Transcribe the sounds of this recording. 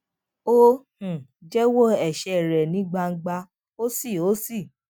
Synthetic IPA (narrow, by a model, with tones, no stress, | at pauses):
o˦hũ˨d͡ʒɛ˦wo˦ɛ˨ʃɛ˧˨ɾɛ˨nĩ˨˦ɡ͡ba˧ŋ̩˦ɡ͡ba˧ | o˦si˦˨o˨˦si˦˨